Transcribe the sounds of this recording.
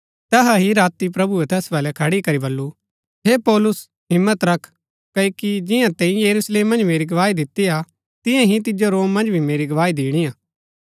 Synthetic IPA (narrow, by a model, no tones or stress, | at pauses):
t̪ɛɦaɦiɾaːt̪ipɾɐbuet̪ɛːsbɛːlɛkʰɐɽikɐɾibɐlːu | ɦepɔːlʊs | ɦɪmːət̪ɾɐkʰ | kɐokid͡ʒɪjãt̪ɛ̃ːĩjɐɾuːsleːmːɐ̃nd͡ʒmeːɾiɡɐʋaːid̪ɪt̪ːija | t̪ɪ̃jãɦit̪ɪd͡ʒoɾoːmːɐ̃nd͡ʒbʱimeːɾiɡɐʋaːid̪iːɽ̃ijãː